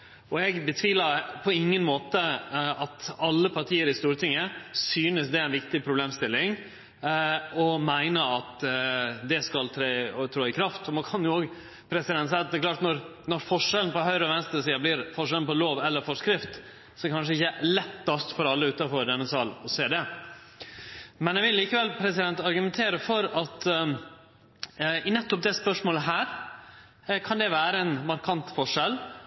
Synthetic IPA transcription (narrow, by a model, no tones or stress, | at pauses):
ɔɛɡbət̪ʰʋiːləpʰɔɪŋːənmoːt̪əɑt̪ɑlːəpʰɑɾʈ̪ʰiːəɾɪst̪uːɾət̪ʰɪŋːəsyːnəsd̪ɛæɪnʋɪkt̪ɪpʰɾʊbleːmst̪ɪlːɪŋ | ɔmæɪnəɑt̪ | d̪ɛskɑlt̪ʰɾeːt̪ʰɾoːɪkʰɾɑft̪ɔmɑkʰɑnjʊoːɡ | pʰɾɛsɪd̪ɛnt̪sɛːt̪d̪ɛklɑːʈnɔɾnɔɾfɔʂɛln̩pɔɦœʏɾəɔʋɛnst̪əɾsiːɑblɪɾfɔʂ̬ɛlnpɔloːʋɛlːəɾfɔʂkɾɪft̪ | sɔkʰɑnʂ̬əɪçːəlɛt̪ːɑst̪fɔɾɑlːəʉːt̪ɑfɔɾd̪ɛnːəsɑːlɔseːd̪ɛ | mɛnjɛʋɪlːiːkəʋɛlpʰɾɛsɪd̪ɛnt̪ɑɾɡʉmɛnt̪ʰeːɾəfɔɾɑt̪ | ɪnɛt̪ːʊp̚d̪ɛspœʂmoːləɦæːɾ | kʰɑnd̪ɛʋæːɾəɛnmɑɾkʰɑnt̪fɔʂɛl